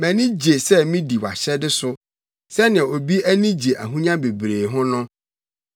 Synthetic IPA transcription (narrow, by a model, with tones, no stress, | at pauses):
mæ̃˨nĩ˦d͡ʑe˨sɛ˦mĩ˦di˨wa̰˨ɕɛ˦dɪ˦sʊ˦ | sɛ˦nɪ̃˨ɛ˨o˨bi˦æ˦nĩ˦d͡ʑe˨ʔæ˨ɦũ˦ɲã˦be˨bɾeː˨ɦʊ̃˦nʊ̃˦